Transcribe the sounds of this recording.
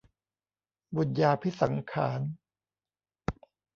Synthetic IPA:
bu˨˩njaː˧pʰi˦˥sa˩˦ŋkʰa̰ː˩˦n

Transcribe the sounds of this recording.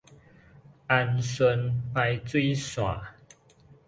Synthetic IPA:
ʔa˧nswə˧npa˧jt͡swe˦ɪswa̰˨˩

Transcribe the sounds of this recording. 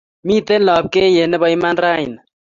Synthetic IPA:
mĩː˦t̪e˦nlɔ˨b̚ke˦je˨ne˦bʌjmanɾaː˦in

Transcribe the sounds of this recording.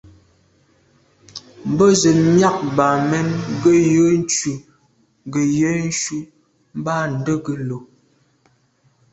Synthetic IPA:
m̩˨bə˦zə˨mja˦k̚ba˨mɛ˦nɡə˦jə˦n̩˦t͡ʃu˨ | ɡə˨jə˦n̩˦ʃu˦ | m̩˦ba˦n̩˨də˦ɡə˨lo˨

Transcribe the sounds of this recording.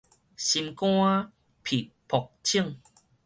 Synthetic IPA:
ɕi˧mkw̃ã˦ | pʰi˨ | pʰɔ˨k̚t͡ɕʰi˥˨ŋ

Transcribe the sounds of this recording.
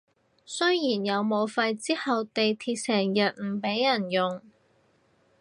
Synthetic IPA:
sɵ˥jjiː˨˩njɐ˨˧wmo˨˧wfɐ˧jt͡siː˥hɐ˨wt̪e˨jt̪ʰiː˧t̚sɛː˨˩ŋjɐ˨t̚m̩˨˩pe˨˥jjɐ˨˩njʊ˨ŋ

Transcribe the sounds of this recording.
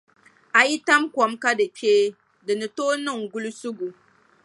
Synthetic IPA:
a˨ji˦ta˦mkʷɔ˨˦mka˦dɨ˨peː˦ | dɨ˨nɨ˨toː˦nɨ˦˨ŋɡu˦lu˦sʊ˦ɡu˨

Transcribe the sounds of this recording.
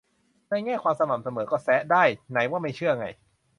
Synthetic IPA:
na˧˩jŋɛː˥˩kʰwaː˧msa˧ma˨˩m̚sa˧mɤː˩˦kɔː˥˩sɛ˦˥ʔdaː˥˩jna˩˦jwaː˥˩ma˥˩jt͡ɕʰɯ˥˩ɐʔa˧ŋa̰˧j

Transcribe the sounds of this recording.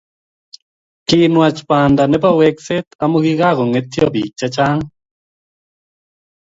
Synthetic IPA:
kɪnwa˨t͡ʃpa˨nda˨nɛ˦pa˦wɛ˦ksɛ˦t̪a˦moɣiɣa˦ɣɔ˨ŋɛ˦t̪jɔ˦bi˨t͡ʃːa˦t͡ʃa˦ŋ

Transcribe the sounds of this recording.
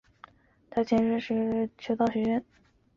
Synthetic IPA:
t̪ʰa˥˩ɪt͡ɕʰjɛ˧˥nʂɻ̩˥˧ʂɻ̩˧˥t͡ɕʰo˧˥t̪ɑ˥˩ʊɕɥɛ˧˥ɥɛ˥˩n

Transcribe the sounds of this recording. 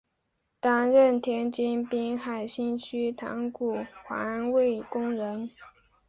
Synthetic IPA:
t̪a˥nɻə˥˩nt̪ʰjɛ˥nt͡ɕi˥npi˥ŋxa˨˩ɪɕi˥nt͡ɕʰy˥t̪ʰa̰˧˥ŋku˨˩xwa̰˧˥we˥˩ɪkʊ˥ŋɻə˧˥n

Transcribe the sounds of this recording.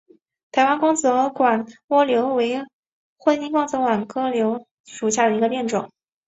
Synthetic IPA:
t̪ʰa˧˥ɪwa˥nkʊ˥ŋt͡sɤ˧˥kwa˨˩nwɔ˥ljo˧˥ʊwe˧˥ɪ | xwə˥˧ni˥˧kwɑ˥˩ŋt͡sɤ˧˥kwa˨˩nkɤ˥ljo˧˥ʊ | ʂu˨˩ɕja˥˩d̪ə˩i˧˥ɡə˧pjɛ˥˩nʈ͡ʂʊ̰˨˩˦ŋ

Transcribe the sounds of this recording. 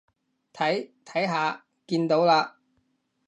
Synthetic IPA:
t̪ʰɐ˨˥jt̪ʰɐ˨˥jɦaː˨˧ | kiː˧nt̪o˨˥wlaː˧

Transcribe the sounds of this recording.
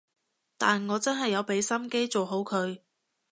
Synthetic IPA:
t̪aː˨nŋɔː˨˧t͡sɐ˥nɦɐ˨jːɐ˨˧wpe˨˥jsɐ˥mke˥jt͡so˨wɦo˨˥wkʰɵ˨˧ɥ

